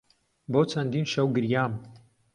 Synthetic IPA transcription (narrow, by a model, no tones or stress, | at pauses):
bot͡sʰɐnd̪iːnʃɐwɡɨɾjaːm